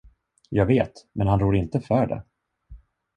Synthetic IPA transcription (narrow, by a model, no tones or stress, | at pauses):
jɑːɡveːt̪mɛnhanɾuːɾɪnt̪əfœːɖɛ̰